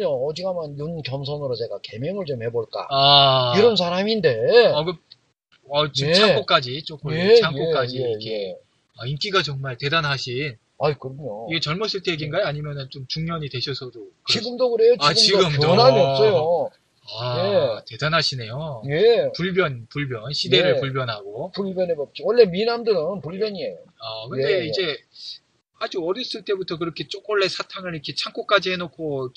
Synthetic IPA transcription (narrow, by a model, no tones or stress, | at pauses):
ɲod͡ʑiɡamanjonkjʌmsʰʌnɯɾot͡ɕe̞ɡake̞mjeŋɯɭt͡ɕomhe̞boɭk͈a̰aiɾʌns̬ʰaɾaminde̞aɡɯ | at͡ɕimt͡ɕʰak͈ok͈ad͡ʑit͡ɕ͈ok͈ɯt͡ɕʰaŋkok͈ad͡ʑiikʰe̞ | aink͈iɡat͡ɕʌŋmaɭte̞danɦaɕʰin | aikɯɾʌɲoiɡe̞t͡ɕʌɭmʌs͈ʰiɭtʰe̞jeɡinɡajeaɲimjʌnɯnt͡ɕomt͡ɕuŋɲʌɲidwe̞ɕʰʌsʰʌdokɯiɡɯmdokɯɾe̞jot͡ɕaɯt͡ɕiɡɯmddonamiʌps͈ʌjo | aete̞danɦaɕʰine̞jojepuɭbjʌnpuɭbjʌnɕʰide̞ɾɯɭpuɭbjʌnɦaɡopuɭbjʌnebʌp̚t͡ɕ͈iwʌɭːe̞minamdɯɾɯnpuɭbjʌɲiejoakɯnde̞id͡ʑe̞ | had͡ʑuʌɾjʌs͈ɯɭt͈e̞butʰʌk̬ɯɾʌkʰe̞t͡ɕ͈ok̚wʌɭːe̞sʰatʰaŋɯɾikʰe̞t͡ɕʰaŋk͈ʰok͈ad͡ʑiɦe̞nokʰo